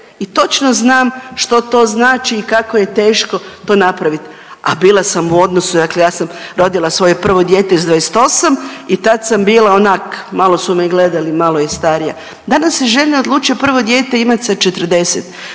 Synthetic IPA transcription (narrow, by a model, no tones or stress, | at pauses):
it̪o̞t͡ʃno̞znaːmʃt̪o̞t̪o̞ːznaːt͡ʃiːkako̞je̞t̪e̞ːʃko̞t̪o̞ːnapɾaʋit̪ | a̰biːlˠasamuo̞d̪nosud̪akle̞jaːsamɾo̞d̪ilˠasʋo̞jepr̩ʋo̞d̪jeːt̪eizd̪ʋajest̪o̞samit̪at̪sambiːlˠaonaːkmalˠo̞sumeɡle̞d̪alimalˠojest̪aɾija̰ | d̪anasjeʒelʲeod̪lˠuːt͡ʃijapr̩ʋo̞d̪je̞ːt̪e̞imat̪sad̪̚t͡ʃe̞t̪ər̩d̪e̞set̪